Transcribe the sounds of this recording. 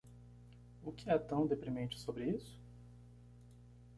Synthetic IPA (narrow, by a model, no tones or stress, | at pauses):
ʊkɪɛt̪ɐ̃w̃d̪epɾimẽnt͡ʃɪ̥sobɾɪisʊ̥